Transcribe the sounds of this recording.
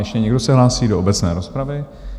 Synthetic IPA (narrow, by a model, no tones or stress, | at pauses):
jɛʃcɛɲɛɡdo̞sɛɦlaːsiːdo̞obɛt͡snɛːɾo̞spɾavɪ